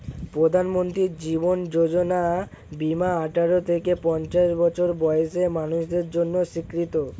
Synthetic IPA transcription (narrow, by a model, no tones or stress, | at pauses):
pɾod̪ʱanmont̪ɾiɾd͡ʑibond͡ʑod͡ʑona | bimaaʈʰaɾot̪ʰekepɔnt͡ɕaʃbɔt͡ɕʰoɾbɔeeʃemanuʃd̪eɾd͡ʑonːoʃikɾit̪o